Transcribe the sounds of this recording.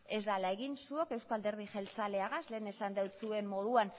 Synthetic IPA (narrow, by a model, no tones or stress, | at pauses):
e̞zd̪alae̞ɣinsuo̞ke̞wskald̪e̞ɾðiʝe̞lt͡sale̞aɣasle̞ːne̞sand̪awt͡sue̞mːo̞ðuan